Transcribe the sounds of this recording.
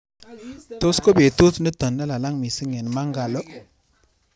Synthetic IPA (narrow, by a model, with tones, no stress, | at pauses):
to˦sko˦be˨tu˦tni˦tɔ˨nːa˦la˨la˦ŋmi˨si˦ŋɛ˨nma˦ŋɡa˨lo˦